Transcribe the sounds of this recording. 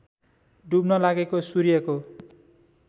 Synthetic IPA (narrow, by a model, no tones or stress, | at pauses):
ɖubnʌlaɡekosuɾijʌko